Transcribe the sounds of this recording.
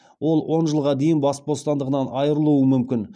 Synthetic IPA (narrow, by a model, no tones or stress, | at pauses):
wo̞lˠwʔo̞nʒəlˠʁɑd̪e̞jɪnbɑsbo̞st̪ɑnd̪əʁənɑnɑjəɾəlˠuəmʏmkʲɪn